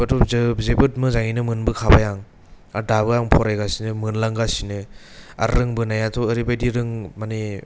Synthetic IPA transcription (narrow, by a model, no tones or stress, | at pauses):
atɔzɯbizebɯt̚mɯzaŋinɯmɯnbɯkʰabajaŋ | adabɯaŋpʰɔɾajɡasinɯmɯnlaŋɡasinɯ | a̰ɾɾɯŋbɯnajatʰɔːɾibajdiɾɯŋmani